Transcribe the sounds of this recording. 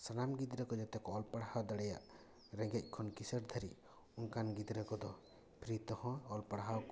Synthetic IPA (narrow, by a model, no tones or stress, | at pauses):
sanamɡid̪ɾɛkɔd͡ʒɔt̪ɛkɔːlpaɽhawd̪aɽɛja̰ʔ | ɾɛ̃ɡɛc̚ˀkʰɔnkisəɾd̪ʱəɾi | uŋkanɡid̪ɾəkɔd̪ɔ | pʰɾit̪ɔhɔ̃ɔlpaɽɦaw